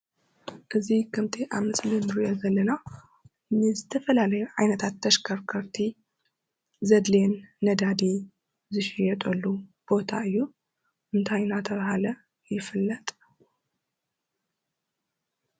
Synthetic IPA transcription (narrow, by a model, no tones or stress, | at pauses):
ʔɨzikʰɨmt̪ʰiʔaβmɨslinɾujozɐlːɐna | nɨzɨt̪ʰɐfɐlalɐjuʕajnɐt̪ʰat̪ːɐʃkʰɐɾkʰɐɾt̪ʰi | zɐd̪lenːɐd̪ad̪i | zɨʃɪjɛt̪ʼɐlːub̥o̞t̪ʰaɨjːu | ʔɨnt̪ʰajnat̪ʰɐβahalɐ | jɪfɨlːɐt̪ʼ